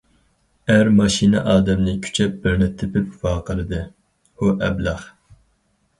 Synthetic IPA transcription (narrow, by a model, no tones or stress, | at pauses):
æɾmɑʃinɨʔɑːd̪ɛmnɨkʲʰy̥t͡ʃʰɛp̚bɪɾnɛt̪ʰːɪpɪpvɑːqʰəlˠɨd̪ɨ | huʔɛblɑχ